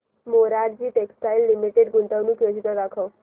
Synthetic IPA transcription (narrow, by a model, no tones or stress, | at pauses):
moɾaɾd͡ʑiːʈeksʈajlːimiʈeɖɡunt̪əʋnuːkjod͡ʑit̪əd̪akʰəw